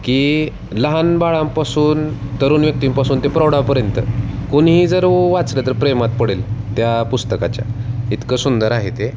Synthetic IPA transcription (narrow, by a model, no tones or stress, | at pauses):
kiː | ləɦanbaɭãmpasuːnt̪əɾuːnʋjək̚t̪iːmpasuːnt̪epɾəwɽapəɾjənt̪ə̰koɳɦiːd͡zəɾʋat͡sɾət̪əɾpɾemat̪̚pəɽelt̪japust̪əkat͡ɕja̰it̪kəsund̪əɾaɦet̪e